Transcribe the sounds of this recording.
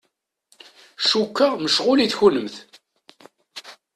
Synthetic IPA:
ʃukːaməʃʁʊliθçunəmθ

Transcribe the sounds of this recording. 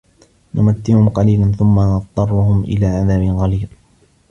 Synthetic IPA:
nʊmat̪ːɪhʊmqɑliːlanθʊmːanɑðt̪ˤːɑrˤːʊhʊmʔɪ̰laːʕaðaːmɪnqɑliːl

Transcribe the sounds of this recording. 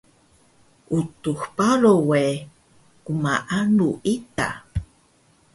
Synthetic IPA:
ʔutuxpalowe | kumaʔanuʔita̰

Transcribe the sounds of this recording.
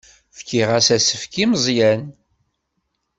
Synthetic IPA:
fkiʁæsæsəfkiməzˤjæn

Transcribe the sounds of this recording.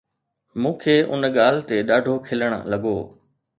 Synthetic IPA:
mũːkʰeːʔʊ̰nɠaːl̤ɪt̪eɗaːɖʱokʰɪləɽ̰̃̆lɐɠoː

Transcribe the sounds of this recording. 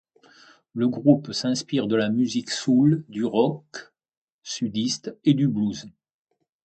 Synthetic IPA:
ləɡʁupsɛ̃spiʁd̪əlamyziksuld̪yʁɔk | syd̪ist̪ed̪ybluz

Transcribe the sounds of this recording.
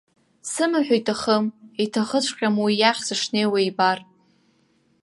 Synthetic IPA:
sɨmaħʷᶣajtʰʼaχəmitʰaχət͡ɕʷʰʼqʲʼamwijaχʲsɨʂnejwejbar

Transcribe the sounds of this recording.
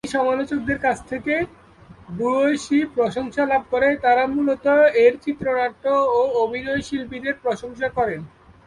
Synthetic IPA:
ʃɔmalot͡ɕok̚d̪eɾkat͡ɕʰt̪ʰeke | buojʃipɾoʃoŋʃalab̚koɾet̪aɾamulot̪oeɾt͡ɕit̪ːɾonaʈːooobʱinojʃilpid̪eɾpɾoʃoŋʃakɔɾen

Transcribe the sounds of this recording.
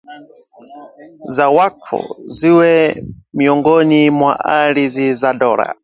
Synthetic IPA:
zawakʰɔ̰ziwɛmiɔŋɡɔnimwa̰ʔaɺizizadɔːɾa̰

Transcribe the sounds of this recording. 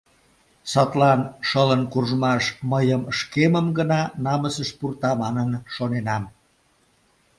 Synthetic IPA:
sɑt̪lɑnʃələnkurʒmɑʃməjəməʃkeməmɡənɑnɑməsəʃpurt̪ɑmɑnənʃonenɑm

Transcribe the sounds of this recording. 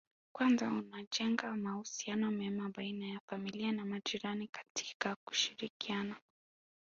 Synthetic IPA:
kwanzaunaʄɛŋɡamahusianɔmɛmaɓainajafamilianamad͡ʒiɾanikḁtʰi̥kaku̥ʃiɾikiana

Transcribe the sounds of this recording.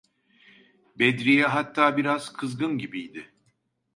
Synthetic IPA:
bɛd̪ɾijɛɦat̪ʰːaːbiɾaz̥kʰɯzɡɯnɟibijd̪ɪ

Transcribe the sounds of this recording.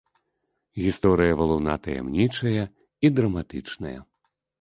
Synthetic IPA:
ɣʲist̪ɔɾɨjɐvɐlˠɐwna̰t̪ɐjɛ̰mnʲit͡ʂɐjɐ | id̪ɾɐmat̪ɨt͡ʂnɐ̰jɐ̰

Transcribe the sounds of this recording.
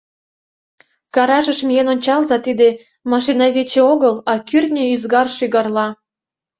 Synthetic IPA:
kɑɾɑʒə̆ʃmijenonʲt͡ɕɑlzɑt̪id̪e | mɑʃ̬inɑβet͡ɕĕoɣəlɑkyrt̪nʲeyzɡɑrʃyɣɑrlɑ

